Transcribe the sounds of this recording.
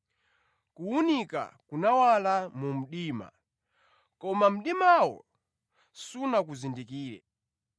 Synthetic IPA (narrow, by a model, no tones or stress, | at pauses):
kuunika̰kunawalamum̩ɗiːma̰ | kɔmam̩ɗimawɔ̰ | sunakuzindikiːɾɛ̰